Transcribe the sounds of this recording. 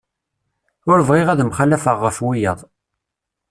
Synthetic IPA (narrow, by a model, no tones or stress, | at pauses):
ʊɾəvʁiʁæðmχalːæfəʁːəfwijəðˤ